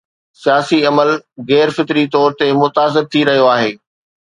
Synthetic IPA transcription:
sijaːsiɐməlɣɛːɾfɪt̪ɾit̪ɔːɾt̪emʊt̪aːs̬ɪɾ̚t̪ʰiɾɐɦijoaːɦeː

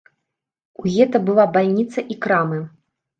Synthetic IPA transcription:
uɣʲɛt̪ɐbɨlˠabalʲnʲit̪sɐʔikɾamɨ

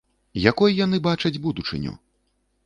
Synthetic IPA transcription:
jakɔjjanɨbat͡ʂɐd͡zʲbud̪ut͡ʂɨ̰nʲṵ

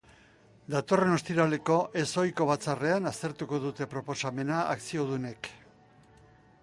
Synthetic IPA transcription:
d̪at̪o̞re̞no̞st̪iɾale̞ko̞ʔe̞so̞jko̞β̞at͡sare̞anast̪e̞ɾt̪uko̞ðut̪e̞pɾo̞po̞same̞naaksio̞ðune̞k

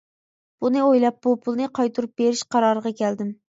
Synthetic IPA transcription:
b̥unɪojlˠɑp̚bupʰulˠnɨqʰɑjt̪uɾup̚beɾɪʃqʰɑɾɑɾəʁɑkʲʰɛld̪ɪm

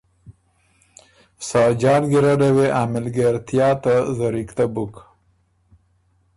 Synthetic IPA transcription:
sɑːd͡ʒɑːlɡiɾaɖaweʔaːmɪlɡaɾt̪ijɑt̪azaɾikt̪abuk

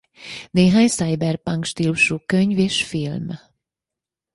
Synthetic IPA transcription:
neːɦaːɲsajbɛrpaŋkʃt̪iluʃuːkøɲveːʃfilm

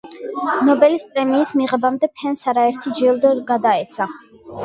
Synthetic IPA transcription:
nɔbɛlispʼɾɛmiːsmiʁɛbamd̪ɛpʰɛnsaɾaɛɾt̪ʰid͡ʒilˠd̪ɔɡad̪aɛt̪sʰa

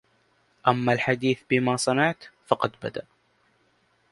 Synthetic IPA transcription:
ʔamːalħad̪iːθbɪmaːsˤɑnɑʕt̪fɑqɑd̪ba̰d̪a̰ʔ

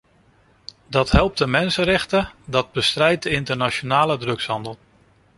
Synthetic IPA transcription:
dɑtɦɛlˠp̚dəmɛnsənrɛχtədɑd̚bəstrɛjt̚dəɪntəɹnat͡ʃonaːlədrɵksɦɑndəlˠ

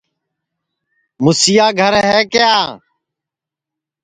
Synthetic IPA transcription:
mʊsijaːɡʱəɾɦɛːkɪjaː

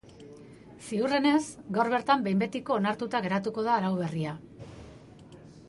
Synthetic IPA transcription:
siure̞ne̞sɡawɾβe̞ɾt̪ambe̞jmbe̞t̪iko̞ːnaɾt̪ut̪aɣ̞e̞ɾat̪uko̞ð̞aːɾawβe̞ria

